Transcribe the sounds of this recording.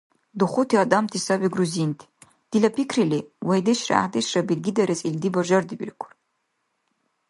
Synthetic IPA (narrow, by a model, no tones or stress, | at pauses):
dɨχʷʊtʰiadamtʰisawiɡruzintʰ | d̥ilapʰikʰriliwajdeʃra̰a̰ħdeʃrabilɡʲidaɾesʼildibaʒʷɐrdibʲḭrkʷʰʊr